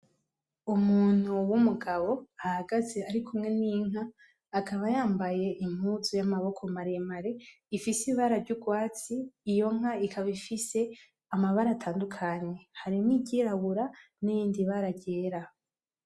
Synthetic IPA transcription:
umuːn̥huwumuɡaβo̞ahaɡaze̞aɾikʰumŋe̞niːŋ̥aː | kʰaβajaːmbaje̞ʔim̥huzujamaβo̞kʰo̞maɾemaɾe̞ | ifisiβaɾavɟuɡwaːt͡siːjo̞ŋ̥aikʰaβifise̞ | amaβaɾaːtʰaːndukʰaɲe̞haɾimiɟiɾaɡuɾa | nijiːndiβaɾaɟe̞ːɾa

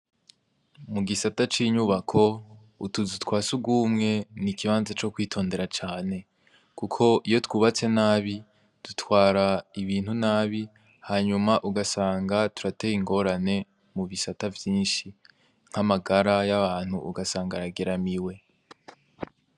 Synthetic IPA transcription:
muɡisatat͡ʃiːɲuβakʰo̞ | utuzutkwaːsuɡuːmŋe̞nikiβaːnzat͡ʃo̞kwiːtʰo̞ːnde̞ɾat͡ʃaːne̞ | kukʰo̞ʔijo̞twuːβat͡se̞naːβi | d̥utwaːɾaiβiːn̥hunaːβi | haɲumaʔuɡasaːŋɡatuɾatejiŋɡo̞ɾane̞ | muβisatavjiːnʃi | ŋ̥hamaɡaɾajaβaːn̥huːɡasaːŋɡaɾaɡeɾamiwe̞

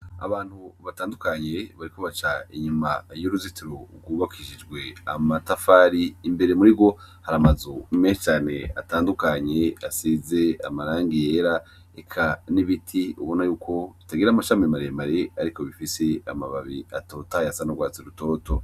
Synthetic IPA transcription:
a̰βaːn̥huβataːndukaɲe̞βaɾiko̞βat͡ʃaiɲumajoɾuzitiɾoɾɡuːβakʰiʃid͡ʒɡwe̞amatafaɾiːmbe̞ɾe̞muɾiɡo̞haɾamazumeʃet͡ʃaːne̞̰a̰taːndukaɲe̞asize̞a̰maɾaːŋɡijeɾa | ekʰaniβitʰiṵβo̞najuːkʰo̞βitaɡiɾamaʃamemaɾemaɾeaɾiko̞βifise̞a̰ma̰βaβiato̞tajasanoɡwaːt͡siɾuto̞ːto̞

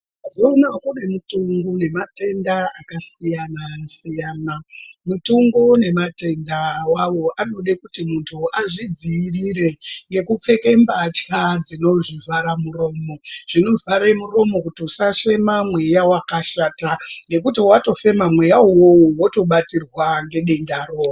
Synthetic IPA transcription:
zonakune̞mutuŋɡone̞mate̞ndaakasijanasijaːnamutuŋɡone̞mate̞ndawawo̞ʔano̞ɗekutimuntʰuʔaʐid͡ziirire̞ŋɡe̞kup͡fe̞ke̞mbat͡ʃad͡zino̞ʐivʱaɾamuro̞ːmo̞ʐ̥ino̞vaɾemuro̞mo̞kutiusaʂe̞mamwe̞jawakaʃaːtane̞kutiwato̞fe̞mamwe̞jawowowoto̞ɓatirwaŋɡe̞ɗe̞ndaroːwa

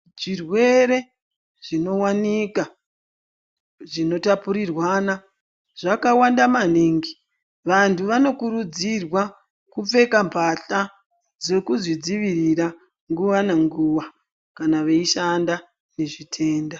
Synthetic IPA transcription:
ʐirwe̞ɾe̞ | ʐ̥ino̞wanika | ʐino̞tapuɾirwaːna | ʐ̥akawandamaniːŋɡi | ʋantʰuʋano̞kuɾud͡zirwa | kup͡fe̞kampʰaɬa | d͡ze̞kuzid͡ziʋirira | ŋɡuʋaneŋɡuʋa | kanaʋeiʃanda | ne̞ʐitʰe̞ːnda

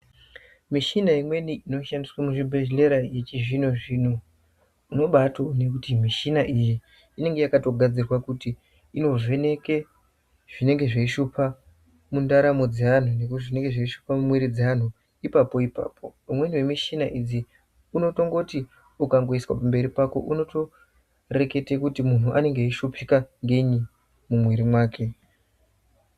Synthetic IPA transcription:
miʃinaimwe̞niʔino̞ʃandiswamuʐibʱe̞ʒle̞ɾaje̞t͡ʃiʐinoʐin̤u | uno̞ɓatone̞kutimiʃinaʔijiː | ne̞ŋɡe̞jakato̞ɡʱad͡zirrwakutiː | no̞vʱe̞ne̞ke̞ | ʐ̥ine̞ŋɡe̞ʐeiʃupʰa | mundaɾamo̞d͡zean̤unekuʐine̞ŋɡe̞ʐeiʃupamumweɾid͡zean̤u | ipapo̞ipa̰ːpʰo̞umwe̞niwe̞miʃinaʔid͡zi | uno̞to̞ŋɡo̞ti | ukaŋɡo̞iswa̰pambe̞ɾipako̞̰ʔuno̞to̞ | re̞ke̞tekutimun̤uʔane̞ŋɡeiʃupikaŋɡeiɲi | mumweɾimwaːkʰe̞

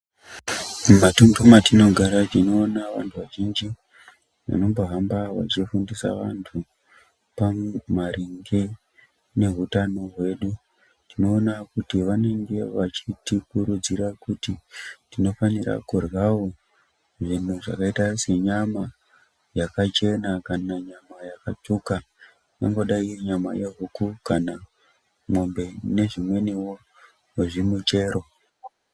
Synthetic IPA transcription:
matumdomatino̞ɡʱaɾat͡ʃino̞ːnaʋantʰuʋaʒind͡ʒi | ʋa̰no̞mboɦambawa̰t͡ʃifundisa̰ʋa̰ntʰu | pamumaɾiŋɡe | ne̞ɦutano̞ɦwe̞ɗu | tino̞ːnakutiʋane̞ŋɡe̞ʋat͡ʃitikuɾud͡ziɾakutitino̞fanira̰kurwawo | ʐin̤uʐa̰kaitase̞ɲama | jakat͡ʃe̞nakanaɲamajakat͡ʂuka | noŋɡo̞ɗaiɲama̰jeɦukukana | mombe̞ne̞ʐimwe̞niwo | ʐimut͡ʃe̞ːɾo̞

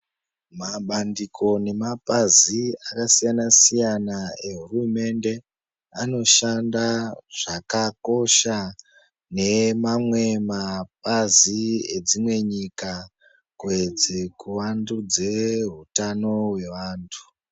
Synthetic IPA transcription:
maɓandikʰo̞ne̞mapaziakasijanasijanae̞ɦurume̞nde̞ | ano̞ʃandaʐ̥akako̞ʃa | ne̞mamwe̞map̚azied͡zimwe̞ɲika | kwed͡zekuʋandud͡ze̞ɦutano̞we̞ʋaːntʰu̥

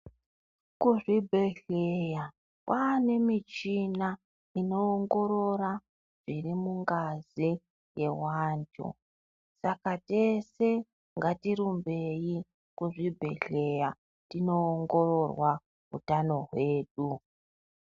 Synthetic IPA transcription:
kuʐibʱe̞ɬeja | kwaːne̞mit͡ʃina | ino̞ːŋɡo̞ɾo̞ɾa | ʐ̥irimuŋɡazi | je̞waːntʰṵ | sakate̞se̞ | ŋɡatiɾumbe̞ji | kuʐibʱe̞̰ɬe̞ja | tino̞ːŋɡo̞ro̞rwa | ɦṵtano̞ɦwe̞ːɗu

